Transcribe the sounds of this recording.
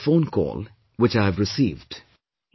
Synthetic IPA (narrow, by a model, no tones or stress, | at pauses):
fõʊ̃nkʰɔ̰ːlˠ | wɪt͡ʃaɪəvɹɨsiːvd̥